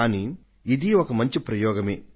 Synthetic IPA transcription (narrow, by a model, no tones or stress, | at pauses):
aːniː | d̪iɔkɐmɐɲt͡ʃipɾɐjɔːɡɐmḛː